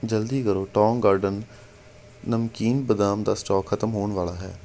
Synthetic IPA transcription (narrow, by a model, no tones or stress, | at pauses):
d͡ʒəld̪iːkəɾoːʈɔːŋɡaːɾɖənː | əmkiːnbəd̪aːmd̪aːsʈɔːkʰːət̪əmɦoːɳʋaːlaːɦɛ̰ː